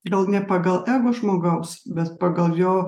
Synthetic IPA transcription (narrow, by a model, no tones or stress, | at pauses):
ɡɐlˠnʲɛpɐɡɐlˠʔæːɡoʒmoːɡɐʊsbʲɛt̪pɑɡɐlˠjoː